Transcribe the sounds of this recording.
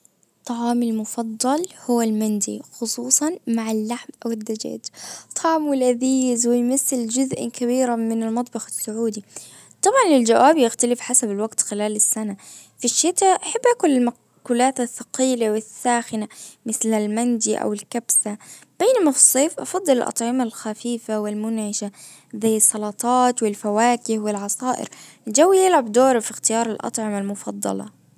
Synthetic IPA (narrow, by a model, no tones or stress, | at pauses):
t̪ˤːɑʕɑːmɪlmʊfɑd̪ˤːɑlhʊwːalmand̪ḭxʊsˤuːsˤɑnmaʕalːaħmʔawɪd̪ːad͡ʒa̰ːd͡ʒt̪ˤʰɑʕmwɪlʔaðiːzwɪjmaθːɪld͡ʒʊzʔkaβiːɾamɪnɪlmɑt̪ˤbɑxɪ̥sːʊʕuːd̪i | t̪ˤɑbʕɑnɪld͡ʒawʔaːbjɪxt̪alɪfħasabalwaɡt̪xɪlaːlɪsːana | fiʃːɪt̪aʔaħabːʔaːkʊlɪlma | kuːlaːt̪aθːɑqiːlawɪsːaːxɪnamɪθlɪlmand͡ʒ̪iʔa̰wɪlkabsa | b̥eːnamafsˤːeːfʔɑfɑd̪ˤːɨlɪlʔɑ̰t̪ˤʕɪmalxafiːfawɪlmʊnʕɪʃa | zajːɑsˤːɑlɑt̪ˤɑːt̪wɪlfawaːkɪhwɪlʕɑsˤɑːʔɪ̰ɾ | ld͡ʒawːijɪlʕabd̪oːɾˤfixt̪ɪjɑːɾˤɪlʔɑ̰t̪ˤʕɪmalmʊfɑd̪ˤːɑ̰lɑ̰